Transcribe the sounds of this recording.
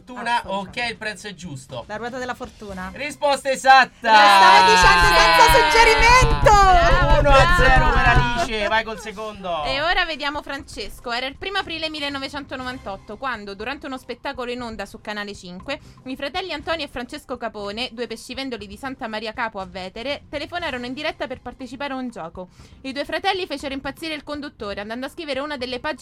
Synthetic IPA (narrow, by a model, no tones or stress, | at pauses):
t̪uːnaok̟ːɛilpɾɛt̪soɛd͡ʒːusst̪olaɾwɔːt̪ad̪elafort̪uːnarispɔst̪aezat̪ːaaːmod̪it͡ʃand̪oak̪asud͡ʒeɾiment̪ounoad̪zɛːɾomaɾad̪iːt͡ʃevajkolsekond̪oeoːɾaved̪jaːmofɾant͡ʃeskoɛːɾailpɾiːmoapɾiːlemilːenːovet͡ʃɛnt̪onovant̪ɔt̪ːokwand̪od̪uɾant̪eunospet̪ːaːkoloinond̪asukanaːlet͡ʃiŋkweifɾat̪ɛlːiant̪ɔːniefːɾant͡ʃeskokapoːned̪uepest͡ʃivɛnd̪olid̪isant̪amaɾiːakaːpoavːɛːt̪eɾet̪elefonaːɾonoind̪iɾɛt̪ːaperpart̪et͡ʃipaːɾeund͡ʒɔːkoid̪uefɾat̪ɛlːifeːt͡ʃeɾoimpat̪sːiːɾeilkond̪ut̪ːoːɾeand̪and̪oaskɾiːveɾeuːnad̪elːepad͡ʒ